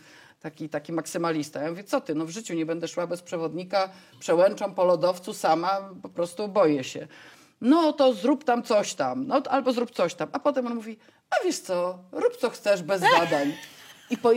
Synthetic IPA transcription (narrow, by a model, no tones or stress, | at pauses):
t̪akʲit̪akʲimaksɘmalʲist̪ajamuvʲjɛt̪ɔt̪ɘnɔvʐɘt͡ɕuɲɛbɛnd̪ɛʂwabɛspʂɛvɔd̪ɲika | pʂɛwɛnt͡ʂɔ̃mpɔlɔd̪ɔft̪susamapɔpɾɔst̪ubɔjɛɕɛ̰ | nɔt̪ɔzɾupt̪amt̪sɔɕt̪amnɔalbɔzɾup̚t̪sɔɕt̪amapɔt̪ɛmɔnmuvʲi | avʲjɛʂt̪sɔɾupt̪sɔxt̪sɛʐbɛzbad̪aɲipɔ